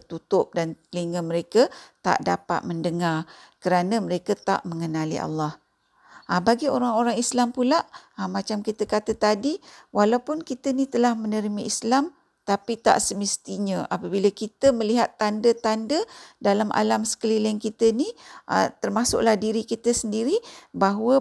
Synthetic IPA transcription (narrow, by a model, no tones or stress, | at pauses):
t̪ut̪ʊp̚danliŋəməɾekət̪a̰ʔdapa̰t̪̚məndəŋarkəɾanəməɾekət̪a̰ʔməŋənalḭʔa̰lːɑh | abaɡioɾaŋoɾaŋislampulaʔamat͡ʃamkit̪əkat̪ət̪adiwalawpʊnkit̪ənit̪əlahmənəɾimaislam | t̪apit̪a̰ʔsəməst̪iɲəʔa̰pabiləkit̪əməliɦat̪ːandət̪andədalamʔa̰lamsə̥kəlilɪnkit̪əniʔa̰t̪ərmasʊ̰ʔlahdiɾikit̪əsəndiɾibaɦwə